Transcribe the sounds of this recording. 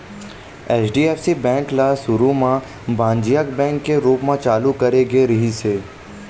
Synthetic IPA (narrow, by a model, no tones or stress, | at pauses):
eːt͡ʃɖiːeːfsibɛ̃ːŋklasʊɾumã | bãːɲd͡ʒijakbɛ̃ːŋkːeɾuːpmãt͡ʃaːlukɐɾeɡeɾɐɦiseː